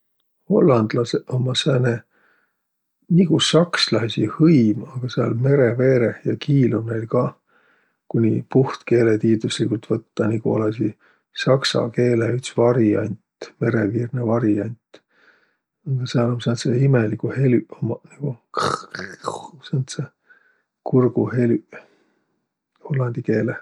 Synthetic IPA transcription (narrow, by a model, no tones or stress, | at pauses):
ho̞lːɑnd̪̥lɑseomːɑsæne | niɡ̥usɑkslɑsihɤjmɑɡ̥ɑseɑ̰lme̞ɾeve̞ːɾejɑkiːlumnejlkɑː | kunʲipuht̪ke̞ːlet̪iːt̪uslikult̪vɤt̪ːɑniɡ̥uo̰lɑsi | sɑksɑ̰ke̞ːleyt̪svɑɾiɑ̰nʲt̪me̞ɾeviːrnevɑɾiɑnʲt̪ | ɑɡ̥ɑseɑlomsɑnt̪seimelikuhelyomniɡ̥uk | sɑnt̪se | kurɡ̥uhelʲy | holːɑnd̪̥ike̞ːle